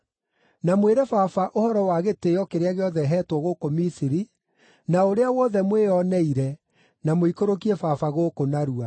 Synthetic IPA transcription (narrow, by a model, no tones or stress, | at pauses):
namweɾɛfafaʔohɔɾɔwaɣeteɔkeɾeaɣeɔðɛɦɛtwɔɣokomisiɾi | naoɾeawɔðɛmweːɔnɛiɾɛ | namoikoɾok̬iɛfafaɣoːkonaɾua